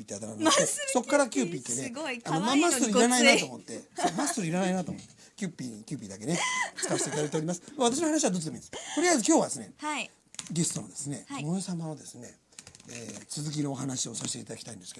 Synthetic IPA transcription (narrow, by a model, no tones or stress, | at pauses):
iːt̪ːeat̪amaneso̞kːaɾakʲɨːpʲiːt̪ːeneanomamasːɨɾiiɾanainat̪omo̞t̪ːe̞omassːɨɾiiɾanainat̪omo̞t̪ːekʲɨːpʲikʲɨːp̬ʲiːd̪ake̞ne̞t͡sɨ̥kai̥teit̪ad̪ait̪eɾimasɨ̥maβat̪aɕ̬ino̞hanaɕiβad̪ot͡sɨd̪emĩd̪est̪oɾiaizɨkʲo̞ːβad̪e̞sɨne̞̰ | ɡe̞sɨ̥t̪o̞no̰d̪e̞sɨne̞̰mojosamanod̪e̞sɨne̞̰ | ḛːt͡sɨzɨk̬ʲino̞ːɦanaɕio̞saɕi̥t̪eit̪ad̪akʲi̥t̪aĩnd̪e̞sɨ̥kedo